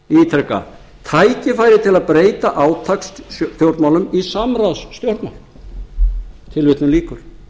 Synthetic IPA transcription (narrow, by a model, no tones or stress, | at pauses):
iːt̪ʰɾɛka̰ | t̪ʰajcɪfaːjɾɪt̪ʰɪlaðpɾeːjt̪aʔaːwt̪ʰakst̪jowɾt̪mawlʏmisamɾawsːt̪jowɾt̪ma̰wl | t̪ʰɪlvɪt̪nʏmliːkʏɾ̥